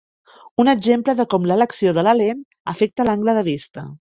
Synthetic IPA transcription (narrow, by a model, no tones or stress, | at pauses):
unəɡʒempləðəkɔmlələksioðələlen | əfek̚t̪əlaŋɡləðəβ̞ist̪ə